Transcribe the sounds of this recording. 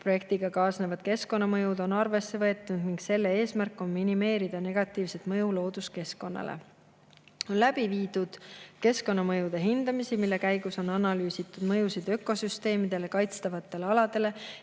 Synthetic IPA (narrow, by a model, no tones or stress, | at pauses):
pro̞je̞k̚t̪iɡ̥ɑkɑːsnevɑd̪̥̚ke̞sko̞nːɑmɤjud̪o̞nɑrve̞sːe̞vɤ̞et̪ːˑund̪̥niŋɡse̞lːe̞e̞ːsmærkːˑo̞nminime̞ːɾid̪̥ɑne̞ɡ̥ɑt̪ːˑiːvse̞t̪mɤjulo̞ːd̪uske̞sko̞nːɑ̰lḛ | o̞nlæb̥iviːd̪ud̪̥ke̞sko̞nːɑmɤjud̪̥e̞ɦind̪̥ɑmisimilːe̞kæjɡ̥uso̞nɑnɑlyːsit̪ːˑud̪̥mɤ̞jusid̪̥ø̞kˑo̞syst̪e̞ːmid̪̥e̞le̞kɑjt̪st̪ɑvɑt̪ːˑe̞leɑlɑd̪e̞le̞